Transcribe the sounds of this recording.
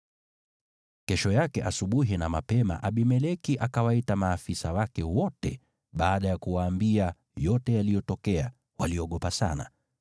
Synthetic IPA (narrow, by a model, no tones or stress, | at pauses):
kɛʃɔjakɛʔasuɓuɦinamapɛma̰ʔaɓimɛlɛkiʔakawaitamaːfisawakɛwɔtɛ̰ | ɓaːɗajakuwaːmbia | jɔtɛjalijɔtɔkɛa | waliɔɠɔpasa̰na̰